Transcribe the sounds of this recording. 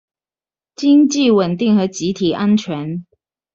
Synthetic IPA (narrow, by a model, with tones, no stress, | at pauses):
t͡ɕi˥ŋt͡ɕi˥˩wə˨˩nt̪i˥˩ŋxɤ˧˥t͡ɕi˨˥t̪ʰi˨˩ʔa˥nt͡ɕʰɥɛ˧˦˥n